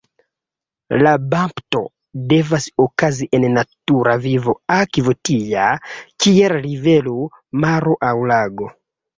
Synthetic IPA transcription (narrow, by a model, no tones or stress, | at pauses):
labampto̞̰ | de̞vasokaziʔenːatuɾavivo̞akivotijakielɾive̞lu | maɾoʔawlaɡo̞